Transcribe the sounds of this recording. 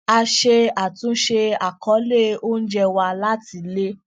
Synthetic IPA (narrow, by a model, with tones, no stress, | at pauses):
a˧ʃe˧a˨tũ˨˦ʃe˧a˨kɔ˨˦le˦˨o˦n̩˦d͡ʒɛ˧wa˧la˦ti˨˧le˦